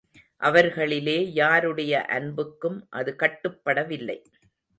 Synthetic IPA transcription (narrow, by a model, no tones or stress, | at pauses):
ʔɐʋɐɾɣɐɭɪleːjaːɾɯɽɐjɐʔɐ̰nbɯkːɯmʔɐðɯkɐʈːɯpːɐɽɐʋɪlːɐ̰ɪ